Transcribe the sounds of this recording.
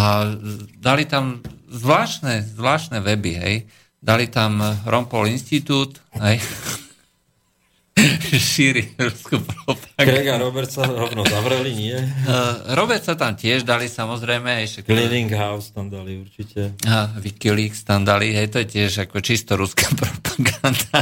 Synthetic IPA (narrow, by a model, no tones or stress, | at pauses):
ad̪alit̪amzʋlaːʃnɛzʋlaːʃnɛʋɛbiɦɛ̰j | d̪alit̪amɾʔɔmpɔlinst̪it̪uːt̪ɦɛj | ʃiːɾiɾuskupɾɔpakɾɛɡaɾɔbɛɾt̪saɾɔʋnɔzaʋɾɛliɲɪɛ | ɾɔbɛɾt̪sat̪amcɪɛʒd̪alisamɔzɾɛjmɛɦɛjʃɛkliniŋɡɦaʊst̪amd̪aliuɾt͡ʃicɛaʋikiliːkst̪amd̪aliɦɛjt̪ɔjɛcɪɛʒakɔɛt͡ʃist̪ɔɾuskapɾɔpḁɡand̪a